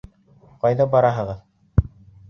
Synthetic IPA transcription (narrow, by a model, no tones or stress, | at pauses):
qɑjðɑbɑɾɑɦɤ̆ʁɤð